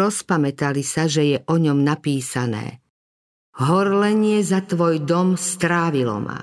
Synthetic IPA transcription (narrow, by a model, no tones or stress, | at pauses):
ɔspamɛt̪alisaʒɛjɛʔɔɲɔmnapiːsanɛ̰ː | ɦɔɾlɛɲɪɛzat̪ʋɔjd̪ɔmst̪ɾaːʋilɔ̰ma̰